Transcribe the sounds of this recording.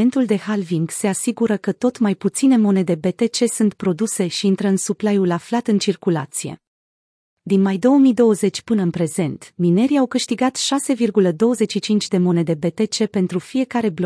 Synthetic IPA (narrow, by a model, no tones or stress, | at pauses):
ent̪uld̪e̞halviŋɡse̞asiɡuɾəkət̪o̞t̪majput̪sine̞mo̞ne̞d̪e̞be̞t̪e̞t͡ʃe̞sunt̪pɾo̞d̪use̞ʃiint̪ɾəɨnsuplajulaflat̪ɨnt͡ʃirkula̰t̪sije̞̰ | d̪inmajd̪o̞wəmijd̪o̞wəze̞t͡ʃʲpɨnəɨnpɾe̞ze̞nt̪mine̞ɾiawkɨʃt̪iɡat̪ʃase̞virɡuləd̪o̞wəze̞tt͡ʃʃit͡ʃint͡ʃʲd̪e̞mo̞ne̞d̪e̞be̞t̪e̞t͡ʃe̞pe̞nt̪ɾufije̞kaɾe̞blo